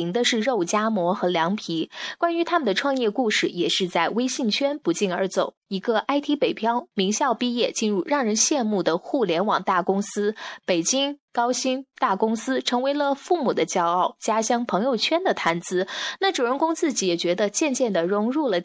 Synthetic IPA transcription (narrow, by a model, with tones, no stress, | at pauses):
i˧˥ŋd̪ə˧ʂɻ̩˥˧ɻo˥˩ʊt͡ɕja˥mwɔ˧˥xɤ˧˥ljɑ˧˥ŋpʰi˧˥kwa˥ny˧˥t̪ʰa˥mə˨nd̪ə˩ʈ͡ʂʰwɑ˥˧ŋjɛ˥˧ku˥˧ʂɻ̩˥˩jɛ˨˩ʂɻ̩˥˧t͡sa˥˩ɪwe˥ɪɕi˥˩ŋt͡ɕʰɥɛ˥npu˧˥t͡ɕi˥˩nə˞˧˥t͡so˨˩˦ʊi˧˥ɡə˧ʔa˥ɪt̪ʰi˧˥pe˨˩ɪpʰjɑ˥ʊmi˧˥ŋɕjɑ˥˧ʊpi˥˧jɛ˥˩t͡ɕi˥˧nɻu˥˧˩ɻɑ˥˩ŋɻə˧˥nɕjɛ˥˧nmu˥˩d̪ə˩xu˥˩ljɛ˧˥nwɑ˨˩ŋt̪a˥˩kʊ˥ŋsɹ̩˥pe˨˩ɪt͡ɕi˥ŋkɑ˥ʊɕi˥ŋt̪a˥˩kʊ˥ŋsɹ̩˥ʈ͡ʂʰɤ˧˥ŋwe˧˥ɪlə˧fu˥˩mu˨˩d̪ə˦t͡ɕjɑ˥ʊɑ˥˩ʊt͡ɕja˥ɕjɑ˥ŋpʰɤ˧˥ŋjo˥˧ʊt͡ɕʰɥɛ˥nd̪ə˨t̪ʰa˧˥nt͡sɹ̩˧˥na˥˩ʈ͡ʂu˨˩ɻə˧˥nkʊ˥ŋt͡sɹ̩˥˩t͡ɕi˧˥jɛ˨˩t͡ɕɥɛ˧˥d̪ə˧t͡ɕjɛ˥˧nt͡ɕjɛ˥˩nd̪ə˩ɻʊ˧˥ŋɻu˥˩lə˩